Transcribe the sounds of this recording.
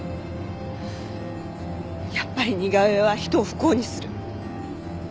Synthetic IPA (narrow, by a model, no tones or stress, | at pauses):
japːaɾʲiɲ̟iɡaβeβaçi̥t̪o̞ːɸɯ̟̥ko̞ːɲ̟isɨɾɯ̟